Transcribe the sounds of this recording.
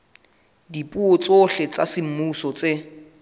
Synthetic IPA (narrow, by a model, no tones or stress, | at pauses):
dipʼuot͡sʼoɬet͡sasɪm̩musɔt͡sʼe